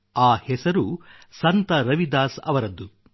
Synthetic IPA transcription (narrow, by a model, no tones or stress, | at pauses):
aːhɛsɐɾusɐnt̪ɐɾɐʋid̪aːsɐ̰ʋɐɾɐd̪ːu